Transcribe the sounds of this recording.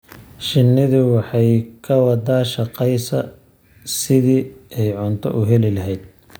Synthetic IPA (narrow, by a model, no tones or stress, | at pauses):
ʃɪnːɪðɪwɑħɑjkʰɐwɑd̪aːʃɐqɛjsɐ | sɪðiːɛjʕʊnt̪ʰɔ̰ʔʊɦɛlɪlɐɦɛjd̪̚